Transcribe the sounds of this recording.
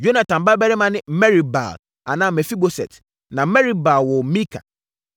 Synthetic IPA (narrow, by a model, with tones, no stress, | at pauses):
jo˦na˨tã˨m˨ba˦bɛ˦ɾɪ˦mã˦nɪ̃˦m̩˦mɛ˦ɾi˨ba̰˨l | a˨nãː˦˨mɛ˨fi˦bo˨sɛ̰˨t | nã˨˦mɛ˦ɾi˦ba˨lwɔ˨˦mĩ˦kʰa̰˨